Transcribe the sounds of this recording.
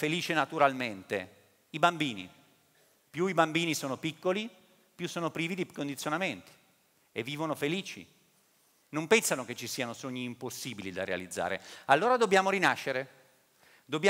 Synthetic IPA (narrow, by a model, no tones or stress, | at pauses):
feliːt͡ʃenat̪uɾalment̪e | ibambiːnḭ | pjuibambiːnisoːnopikːoli | pjusːoːnopɾiːvid̪ikond̪it̪sːjonament̪i̥ | evːiːvonofeliːt͡ʃḭ | nompɛnsanoket͡ʃːisiːanosoɲːiːmposːiːbilid̪a̰rea̰lid̪zːa̰ːɾḛalːoːɾad̪objaːmoɾinaʃːeɾe | d̪obːj